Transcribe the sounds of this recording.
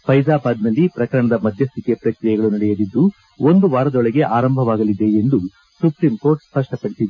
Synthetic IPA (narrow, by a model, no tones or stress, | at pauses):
pɐjd͡ʒaːbaːd̪nɐlːipɾɐkɐɾɐɳɐd̪ɐmɐd̪ʱjɐst̪ikepɾɐkɾijɐɡɐɭunɐɽɛjɐd̪id̪ːu | ond̪uʋaːɾɐd̪ɔɭɛɡe̞ʔaːɾɐmbʱɐʋaːɡɐlid̪e̞end̪u | supɾimko̞ːɾʈspɐʂʈɐpɐɽisid̪e